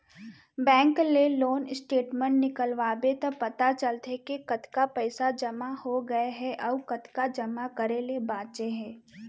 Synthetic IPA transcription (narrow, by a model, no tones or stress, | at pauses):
bɛ̃ːŋkleloːnɪsʈeːʈmə̃ɳʈnɪkəlʋaːbet̪ɔpɐt̪at͡ʃəlt̪ekekɐt̪kapɛɪsad͡ʒɐmahoɡɐeɦɛʔɔːkɐt̪kad͡ʒɐmakɐɾelebaːtt͡ʃeɦɛ̃ː